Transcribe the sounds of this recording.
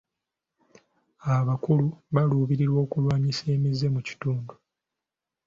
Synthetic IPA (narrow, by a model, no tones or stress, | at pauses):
aβakuluβaluːβiɾiɾwo̞ːkulwaːɲise̞ːmize̞muci̥tuːndu